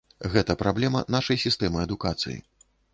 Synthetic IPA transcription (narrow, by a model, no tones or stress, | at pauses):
ɣɛt̪ɐpɾablʲɛmɐ̰naʂɐjsʲist̪ɛmɨɐd̪ukat̪sɨ̰jḭ